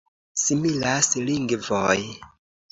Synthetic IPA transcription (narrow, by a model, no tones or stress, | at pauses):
similasliŋɡvoj